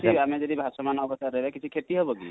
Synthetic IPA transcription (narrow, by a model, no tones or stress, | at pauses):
t͡ʃʰiamɛd͡ʒɔd̪ibʱasɔmanɔbɔst̪aɾːɛɦbɛkit͡ʃʰikʰet̪iɦɔbɔkḭ